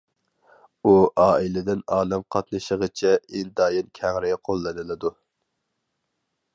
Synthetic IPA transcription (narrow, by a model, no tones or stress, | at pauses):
uʔɑːilɪd̪ɪnɑːnɛmqʰɑt̪nɨʃəʁət͡ʃʰɛend̪ɑːjinkʲʰæŋɾɪqʰolˠːɨnɨlˠɨd̪u